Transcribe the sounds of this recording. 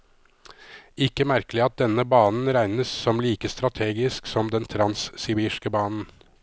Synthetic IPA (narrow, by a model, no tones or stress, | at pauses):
ɪkːəmæɾkəlɪɑt̪̚d̪ɛnəbɑːnn̩ɾæɪnəsːɔmliːkəst̪ɾɑt̪ʰeːɡɪsksɔmd̪ɛnt̪ʰɾɑnsːɪbiːʃkəbɑːnn̩